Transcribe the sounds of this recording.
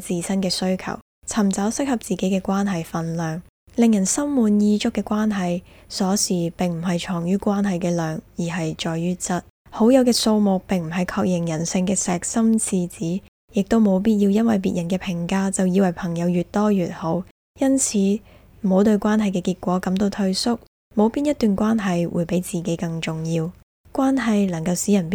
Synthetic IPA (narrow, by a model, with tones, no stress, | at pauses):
t͡siː˨˩sɐ˥nkɛː˧sɵ˥ɥkʰɐ̰˨˩w | t͡sʰɐ˨˩mt͡sɐ˨˥wsɪ˥k̚hɐ˨p̚t͡siː˨ke˨˥jkɛː˧kʷaː˥nɦɐ˨jfɐ˨nlœː˨ŋ | lɪ˨ŋjɐ˨˩nsɐ˥mmuː˨˧njiː˧t͡ʃʊ˥kːɛː˧kʷaː˥nɦɐ˨jsɔː˨˥siː˨˩pɪ˨ŋm̩˨˩ɦɐ˨jt͡ʃʰɔː˨˩ŋjyː˥kʷaː˥nɦɐ˨jkɛː˧lœː˨ŋjiː˨˩ɦɐ˨jt͡ʃɔː˨jjyː˥t͡sɐ˥t̚ | ho˨˥wjɐ˨˧wkɛː˧so˧wmʊ˨k̚pɪ˨ŋm̩˨˩ɦɐ˨jkʰɔː˧k̚jɪ˨˩ŋjɐ˨˩nsɪ˧ŋkɛː˧sɛː˨k̚sɐ˥mt͡sʰiː˧t͡siː˨˥ | jɪ˨k̚t̪o˥wmo˨˧wp̬iː˥t̚jiː˧wjɐ˥nwɐ˨jpiː˨t̚jɐ˨˩nkɛː˧pʰɪ˨˩ŋkaː˥t͡sɐ˨wjiː˨˧wɐ˨˩jpʰɐ˨˩ŋjɐ˨˧wjyː˨˩t̚t̪ɔː˥jyː˨˩t̚ho˨˥w | jɐ˥nt͡sʰiː˨˥ | m̩˨˩ho˨˧wt̪ɵ˧ɥkʷaː˥nɦɐ˨jkɛː˧kiː˧t̚kʷɔː˨˥kɐ˨˥mt̪o˧wt̪ʰɵ˥ɥsʊ˥k̚ | mo˨˧wpiː˥njɐ˥t̪̚yː˨nkʷaː˥nɦɐ˨jwṵ˨˩jpe˨˥jt͡siː˨ke˨˥jkɐ˧ŋt͡ʃʊ˨ŋjiː˧w | kʷwaː˥nɦɐ˨jlɐ˨˩ŋkɐ˧wsiː˨˥jɐ˨˩np